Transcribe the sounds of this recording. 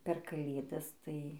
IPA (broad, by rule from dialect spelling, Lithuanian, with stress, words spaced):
pʲɛr kɐˈlʲeːdɐs ˈtɐɪ